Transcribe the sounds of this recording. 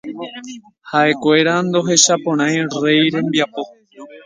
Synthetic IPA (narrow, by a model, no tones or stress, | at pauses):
haʔe̞kwe̞ɾand̪o̞ɦe̞ʃapõ̞ɽ̃ãj̃re̞jɾẽ̞mbiapo̞